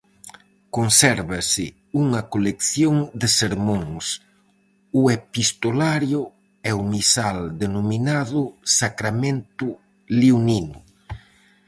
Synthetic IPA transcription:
konsɛɾβasɪ | uŋɐkolekθjoŋd̪ɪseɾmõŋs | ʊepist̪olaɾjʊ | ɛumisald̪enominaðʊsakɾamẽnt̪ʊ | liuninʊ

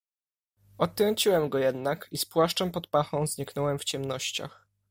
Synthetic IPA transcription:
ɔt̪ːɾɔɲt͡ɕiwɛmɡɔjɛd̪nakispwaʂt͡ʂɛmpɔt̪paxɔ̃w̃zɲikn̪ɔwɛmft͡ɕɛmnɔɕt͡ɕa̰x

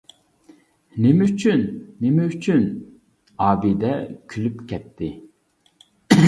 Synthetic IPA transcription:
nemɛyt͡ʃʰynːemɛyt͡ʃʰyn | ɑːbid̪ɛkʲʰylypkʲʰɛt̪ʰːɪ

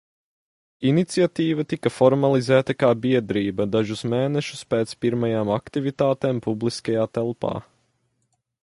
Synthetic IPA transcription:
init̪siat̪iːvɐt̪ikɐfɔɾmalˠizæːt̪ɐkaːbiɛd̪ɾiːbɐd̪aʒusmeːnɛʃu̥speːt̪spiɾmajaːmakt̪ivit̪aːt̪eːmpublˠiskajaːt̪ɛlˠpa̰ː

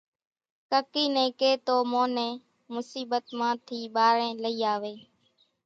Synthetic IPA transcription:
kəkiːnẽːkeːt̪oːmõːnẽː | mʊsiːɓət̪mãːt̪ʰiːɓaːɾẽːləiːaːʋeː

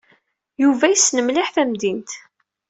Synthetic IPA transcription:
juvæjisːnəmliħθæmd̪int̪

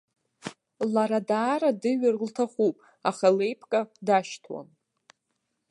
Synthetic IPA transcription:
laɾadaːɾadɨɥarltʰaχupʼ | aχale̞jpʰkʼadaʃtʰwa̰n

